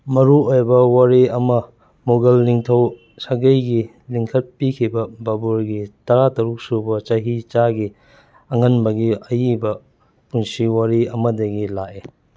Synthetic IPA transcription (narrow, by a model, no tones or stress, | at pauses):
mɐɾuojbɐwaɾiɐmɐ | moɡɐlːiŋtʰɐw | saɡɐjɡi | liŋkʰɐt̚pikʰibɐbabuɾɡitɐɾatɐɾuk̚subɐt͡ʃɐɦit͡ʃaɡi | ɐŋɐnbɐɡiɐjibɐ | punsiwaɾiɐmɐdɐɡilaʔe